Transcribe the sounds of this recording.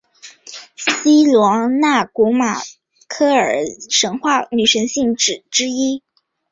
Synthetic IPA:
ɕi˥lwɑ˧˥ŋna˥˩ku˧˥ma̰˨˩ | kʰɤ˥˩ə˞˨˩ʂɤ˧˥ŋxwa˥˩ny˨˩ʂə˧˥ŋɕi˥˩ŋʈ͡ʂɻ̩˨˩ʈ͡ʂɻ̩˥i˥

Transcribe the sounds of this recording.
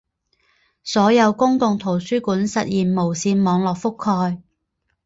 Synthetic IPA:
sɔː˨˥jɐ˨˧wkʊ˥ŋkʊ˨ŋt̪ʰo˨˩wsyː˥kuː˨˥nsɐ˨t̚jiː˨nmo˨˩wsiː˨˧nmɔː˨˧ŋlɔː˨k̚fʊ˥kʰːɔː˧j

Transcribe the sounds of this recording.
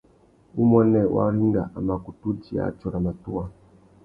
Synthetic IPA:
u˦mwɛ˦nɛ˨wʔa̰˦ɾi˦ŋɡa˨ʔa˨ma˨ku˨tu˦d͡ʒi˨a̰˦t͡ʃɔ˨ɾa˨ma˨tu˦a˨

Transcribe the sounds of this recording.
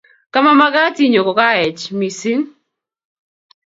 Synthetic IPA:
ka˦ma˦ma˦ɡa˦ti˦ɲo˨kɔ˨ka˦ɛ˨t͡ʃmi˨si˦n

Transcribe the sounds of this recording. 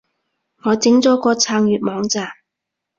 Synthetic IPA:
ŋɔː˨˧t͡sɪ˨˥ŋt͡sɔː˨˥kɔː˧t͡sʰaː˧ŋjyː˨˧t̚mɔː˨˧ŋt͡saː˨m

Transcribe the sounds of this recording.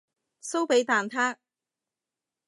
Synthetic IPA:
so˥wpe˨˥jt̪aː˨nt̪ʰaː˥k̚

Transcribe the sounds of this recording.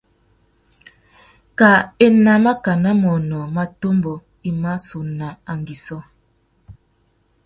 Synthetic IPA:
ka˨e˦na˨ma˦ka˨na˦mɔ˨nɔ˨ma˦to˦mbɔ˨ | i˦ma˦su˨na˨a˨ŋɡi˨sɔ˦

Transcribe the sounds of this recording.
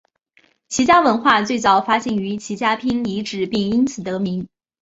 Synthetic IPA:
t͡ɕʰi˧˥t͡ɕja˥wə˧˥nxwa˥˧t͡swe˥˩ɪt͡sɑ˨˩ʊfa˥ɕɛ˥˩ny˧˥t͡ɕʰi˧˥t͡ɕja˥pʰi˥nli˧˥ʈ͡ʂɻ̩˨˩pi˥˩ŋi˥nt͡sʰɹ̩˨˩t̪ɤ˧˥mi˧˥ŋ

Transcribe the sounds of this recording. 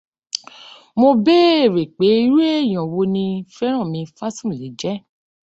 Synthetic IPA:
mo˧be˦e˦˨ɾe˨k͡pe˨˦i˦ɾe˦e˦˨j̃ɔ̃˨wo˧nĩ˧fɛ˦ɾ̃ã˦˨mĩ˧fa˦sũ˦˨le˨˦d͡ʒɛ˦

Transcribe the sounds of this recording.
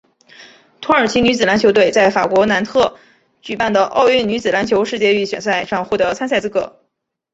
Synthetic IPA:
t̪ʰwɔ˥ə˞˨˩t͡ɕʰi˧˥ny˧˥t͡sɹ̩˨˩la˧˥nt͡ɕʰjo˧˥t̪we˥˩ɪt͡sa˥˩ɪfa˨˩kwɔ˧˥na˧˥nt̪ʰɤ˥˩ | t͡ɕy˨˩pa˥˩nd̪ə˩ʔɑ̰˥˧ʊy˥˩ny˧˥t͡sɹ̩˨˩la˧˥nt͡ɕʰjo˧˥ʊʂɻ̩˥˧t͡ɕjɛ˥˧y˥˩ɕɥɛ̰˨˩nsa˥˧ɪʂɑ˥˧ŋxwɔ˥˩t̪ɤ˧˥t͡sʰa˥nsa˥˧t͡sɹ̩˥kɤ̰˧˥

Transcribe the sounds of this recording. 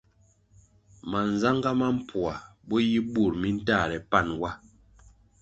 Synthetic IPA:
ma˨n˨za˦ŋɡa˦ma˦m̩˦˨pʰwa˨bɔ˦ji˦bu˦˨ɾmi˦n̩˦ta˦˨ɾɛ˨pa˦˨nwa˦

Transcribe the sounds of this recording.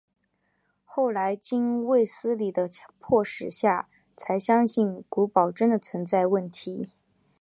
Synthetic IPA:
xo˥˩ʊla˧˥ɪt͡ɕi˥nwe˥˩ɪsɹ̩˥li˨˩d̪ə˦pʰwɔ˥˩ʂɻ̩˨˩ɕja˥˩ | t͡sʰa˧˥ɪɕjɑ˥ŋɕi˥˩nku˧˥pɑ˨˩ʊʈ͡ʂə˥nd̪ə˨˩t͡sʰwə˧˥nt͡sa˥˧ɪwə˥˩nt̪ʰi˧˥

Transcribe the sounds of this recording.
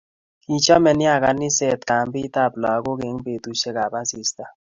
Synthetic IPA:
ki˨t͡ʃa˦mɛ˨nɪ˦a˨ka˨nɪ˦sɛ˦˨tka˨mbɪ˦ta˦˨plɔ˨a˨ɡo˦ke˨˦ŋbe˨tu˦ʃe˦ka˨ba˦si˨sta˦

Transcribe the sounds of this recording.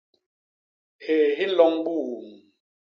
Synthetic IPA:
he˨ɦe˦lɔ˦ŋɓu˦˨m

